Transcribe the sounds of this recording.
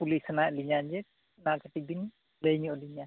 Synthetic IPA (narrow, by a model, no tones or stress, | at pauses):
pulisanajʔliɲand͡ʒɛ | nakʰəʈik̚bin | ləjɲɔʔliɲa